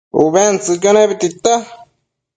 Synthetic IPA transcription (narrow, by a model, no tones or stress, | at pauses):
uβent͡sɨkaneβit̪it̪a